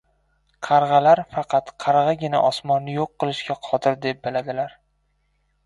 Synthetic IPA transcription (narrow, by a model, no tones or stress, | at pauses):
qʰɑɾʁɑlaɾfɑqʰɑt̪qʰɑɾʁɑɡʲɪna̰ʔɒsmɒnːɪjoqːɨlˠɪʃɡʲaqʰɒt̪ʰɪɾd̪e̞p̚bɪlad̪ɪlaɾ